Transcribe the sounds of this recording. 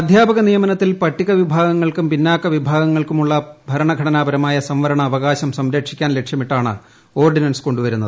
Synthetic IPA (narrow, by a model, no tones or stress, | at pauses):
ɐd̪ʱjaːbɐɣɐnijɐmɐnɐt̪ːilpɐʈːiɣɐʋibʱaːɡɐŋːɐɭkumpinːaːkːɐʋibʱaːɡɐŋːɐɭkumuɭːɐbʱɐɾɐɳɐɡʱɐɽɐnaːbɐɾɐmaːjɐsɐmʋɐɾɐɳɐːʋɐɣaːɕɐmsɐmɾekʂikʲːaːnle̞kʂjɐmiʈːaːɳɨ̰ | o̞ːrɖinɐnsko̞ɳɖuʋɐɾunːɐðɨ